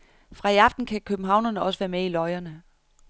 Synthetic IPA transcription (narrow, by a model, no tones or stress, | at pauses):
fʁɑ̈iɑ̈fd̥n̩kʰækʰøb̥m̩ɦɑ̈ʊ̰nɐnəɒ̽səʋæɐmeilɒ̽ɪɐnə